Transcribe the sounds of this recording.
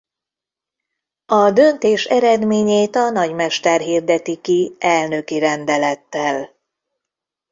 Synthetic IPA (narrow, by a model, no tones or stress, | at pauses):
ɒd̪ø̞nt̪eːʃɛɾɛd̪meːɲeːt̪ɒnɒɟmɛʃt̪ɛrɦiːrd̪ɛt̪ikiɛlnø̞kiɾɛnd̪ɛlɛt̪ːɛl